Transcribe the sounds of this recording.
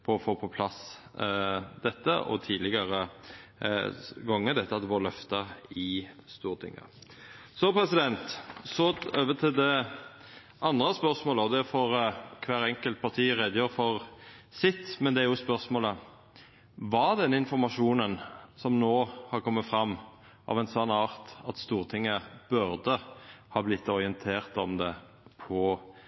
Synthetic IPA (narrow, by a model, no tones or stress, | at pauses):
pʰɔɔfoːpʰɔpʰlɑs | d̪ɛt̪ːə̰ʔɔ̰t̪ʰiːlɪɡəɾə | ɡɔŋːəd̪ɛt̪ːəɑt̪ːfoːlœft̪əɪst̪uːɾt̪ʰɪ̰ŋːə̰ | sɔpʰɾɛsɪd̪ɛnt̪sɔøːʋət̪ʰɪld̪ɛ | ʔɑnd̪ɾəspœɾsmoːləɔd̪ɛfɔɾkʰʋæːɾɛŋkəlt̪̚pʰɑʁt̪ʰiːʁeːd̪əjøːɾəfɔʁsɪt̪ːmɛnd̪ɛæɾjʊspœɾsmoːlə | ʋɑd̪ɛnːɪnfɔɾmɑʂuːnənsɔmnoːhɑɾkʰɔmːət̪fɾɑmː | ʔɑ̰ʋɛnsɑnɑːʁt̪ɑt̪st̪uːɾt̪ʰɪŋːəb̥ʉʁd̪əhɑːblɪt̪ːɔɾɪənt̪ʰeːʁt̪ɔmd̪ɛ | pʰɔ